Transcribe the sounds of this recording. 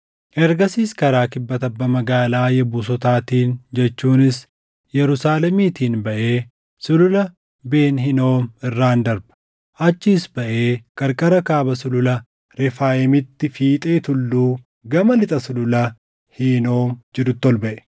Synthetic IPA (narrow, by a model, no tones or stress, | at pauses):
ʔɛɾɡɐsiːskɐɾaːkɪbːɐt̪ɐbːɐmɐɡaːlaːjɛbuːs̬ɔt̪aːt̪iːnd͡ʒɛt͡ʃːuːnɪs | jɛɾʊsaːlɛmiːt̪iːnbɐʔeː | sʊlʊlɐ | be̞ːnɦɪno̞ːmɪrːaːnd̪ɐɾbɐ̥ | ʔɐt͡ʃːiːsbɐʔe̞ːkʼɐɾkʼɐɾɐkaːbɐsʊlʊlɐ | ɾɛfaːɛmɪt̪ːɪfiːt̪ʼeːt̪ʊlːuː | ɡɐmɐlɪt̪ʼɐsʊlʊlɐ | hino̞ːmd͡ʒɪɾʊt̪ːɔlbɐʔɛ̥